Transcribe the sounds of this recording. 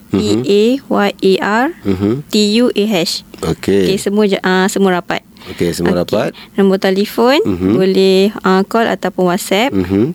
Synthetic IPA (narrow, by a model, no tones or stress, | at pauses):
iewaʔeʔar̩ɦt̪ijuʔeɦɛʃookekesəmũad͡ʒʔãsəmũaɾapa̰t̪̚okesəʔo̰ɾapkat̪nãmbɔt̪alifonbolɛhãkɔla̰t̪awpʊnwat̪̚sɛp̚ɦ